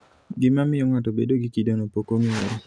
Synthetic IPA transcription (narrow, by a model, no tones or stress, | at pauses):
ɡɪmamɪjɔŋatobedoɡikidonopokomiweɾ